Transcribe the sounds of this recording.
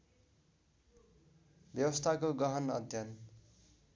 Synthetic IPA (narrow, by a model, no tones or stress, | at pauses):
bjʌwʌst̪ʰakoɡʌɦʌnʌd̪ʱjʌn